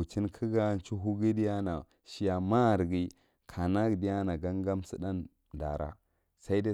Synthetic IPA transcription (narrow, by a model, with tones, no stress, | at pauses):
u˨t͡ʃi˦nkʰi˦ɡa˦n˦t͡ʃu˦ɦu˦ɡi˦di˦ja˦na˨ | ʃi˨ja˨ma˦˨ɾɡi˦ | kʰa˨na˦ɡdi˦ja˦na˨ɡa˦ŋɡa˦msi˦da˦n | da̰˨ɾa̰˦ | sa˦i˦da˦